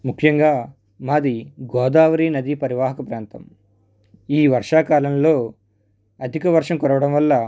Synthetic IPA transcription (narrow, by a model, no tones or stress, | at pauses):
mukʰjɐŋɡaː | maːd̪iɡɔːd̪aːʋɐɾiːnɐd̪ipɐɾiʋaːɦɐkɐpɾaːnt̪ɐm | iːʋɐɾʂaːkaːlɐnlo̞ː | ɐd̪ʱikɐʋɐɾʂɐmkɔɾɐʋɐɽɐmʋɐlːɐ